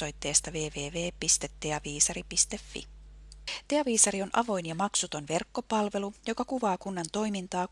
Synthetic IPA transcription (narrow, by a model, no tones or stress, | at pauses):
o̞jt̪ːe̞ːst̪ɑʋe̞ːʋe̞ːʋeːpist̪e̞t̪ːe̞ɑʋiːsɑɾipist̪e̞fːḭ | t̪e̞ɑʋiːsɑɾio̞nʔɑʋo̞jnjɑmɑksut̪o̞nʋe̞rkːo̞pɑlʋe̞lujo̞kɑkuʋɑːkunːɑnt̪o̞jmint̪ɑː